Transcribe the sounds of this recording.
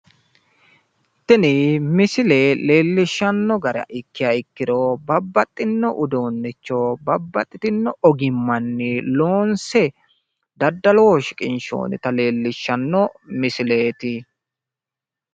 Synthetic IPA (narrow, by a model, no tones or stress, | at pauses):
t̪ːɪnɪmɪsɪleːle̞ːlːɪʃːɐnːɔɡɐɾɐ̰ʔɪkːɪjaɪkːɪd̪oːbɐbːɐt̪ʼːɪnːɔʔʊd̪oːnːɛt͡ʃːoːbɐbːɐt̪ʼːɪt̪ɪnːɔɔɡɪmːɐnːɪloːnsɛ | d̪ɐd̪ːɐloːʃɪ̥kʼɪnʃo̰ːnɪ̰t̪ɐle̞ːlːɪʃːɐnːɔmɪsɪleːt̪ɪ